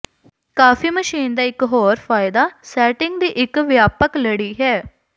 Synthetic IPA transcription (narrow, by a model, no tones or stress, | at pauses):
kaːfiːməʃiːnd̪aːɪkɦoːɾfʰaːɪd̪aːsɛːʈɪŋɡd̪iːʔɪkʋjaːpəkləɽiːɦɛː